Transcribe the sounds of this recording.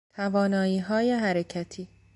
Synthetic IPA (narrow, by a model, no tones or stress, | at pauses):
t̪ʰævɒːnɒːiːɦɒːjeɦæɾecʰæt̪ʰiː